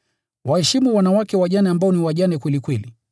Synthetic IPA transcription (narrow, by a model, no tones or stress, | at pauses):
wahɛʃimuwanawakɛwaʄanɛambaɔniwaʄanɛkwɛlikwɛli